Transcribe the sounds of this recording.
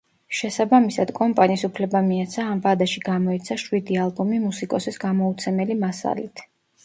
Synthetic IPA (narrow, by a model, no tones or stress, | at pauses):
ʃɛsabamisad̪̥kʼɔmpʼaniːsupʰlɛbamiat̪sʰaːmvad̪aʃiɡamɔɛt̪sʰaʃwid̪ialˠbɔmimusikʼɔsisɡamɔut̪sʰɛmɛlimasa̰lit̪ʰ